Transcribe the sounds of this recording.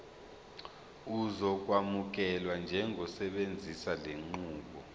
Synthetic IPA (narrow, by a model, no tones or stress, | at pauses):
uzɔk̬ʼwamuk̬ɛlwand͡ʒʱɛŋʱɔsɛɓend͡zʱisaleŋ͡ǃuːɓɔ